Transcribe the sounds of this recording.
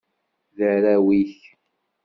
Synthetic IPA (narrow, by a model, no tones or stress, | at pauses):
ðəɾæwiç